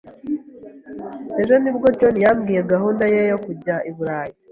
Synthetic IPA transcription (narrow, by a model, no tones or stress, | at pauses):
e̞ʒo̞nibɡo̞d͡ʒonijamɡiːje̞ɡaɦuːndajejokuɟaʔiβuɾaːji